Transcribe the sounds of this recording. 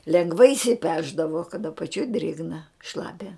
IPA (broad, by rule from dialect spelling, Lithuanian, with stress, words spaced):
lʲɛŋˈɡʋɐɪ ɪʃʲsʲɪˈpʲæːʒdɐʋoː kɐt ɐpɐˈt͡ʃʲoːj ˈdʲrʲeːɡnɐ ˈʃlˠɑːpʲɛ